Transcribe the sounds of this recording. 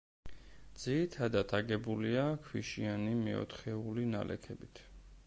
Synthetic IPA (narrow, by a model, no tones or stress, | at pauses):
d̪z̥iit̪ʰad̪at̪ʰaɡɛbuliakʰwiʃianimɛɔ̰t̪ʰχɛulina̰lʔɛ̰kʰɛbit̪ʰ